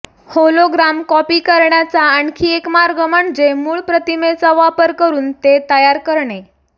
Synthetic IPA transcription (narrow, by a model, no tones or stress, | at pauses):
holoɡɾamkɔpiːkəɾɳjat͡saːɳkʰiːekmaɾɡəmaɳd͡zemuːɭpɾət̪imet͡saʋapəɾkəɾuːnt̪et̪əjaɾkəɾɳe